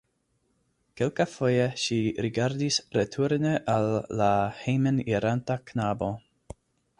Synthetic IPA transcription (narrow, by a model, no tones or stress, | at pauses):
kelkafo̞jeʃiɾiɡaɾdisɾetʰuɾneʔalːahejmeniɾantaknabo̞